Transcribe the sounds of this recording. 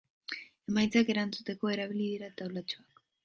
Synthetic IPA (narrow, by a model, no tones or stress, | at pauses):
e̞majt͡sake̞ɾant͡sut̪e̞ko̞e̞ɾaβ̞iliðiɾat̪awlat͡ʃoak